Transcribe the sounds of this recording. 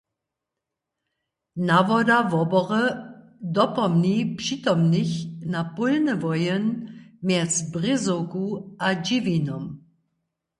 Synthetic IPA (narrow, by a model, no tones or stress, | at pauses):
navɔdavɔbɔʁə | dɔpɔmnipʂit̪ɔmniçnapɔlnəvɔjənmjɛt͡sbʁɪzokuʔad͡ʑivinɔm